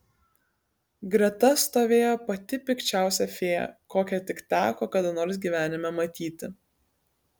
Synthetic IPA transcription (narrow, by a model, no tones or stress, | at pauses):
ɡɾʲɛt̪ɐst̪oːʋʲeːjoːpɐt̪ʲɪpʲɪkt͡ʃʲæˑʊsʲɛfʲeːjɛ̰koːkʲɛt̪ʲɪkt̪ʲæːkoːkɐd̪ɐnoːɾs̬ʲɡʲiːʋʲæːnʲɪmʲɛmɐt̪ʲiːt̪ʲɪ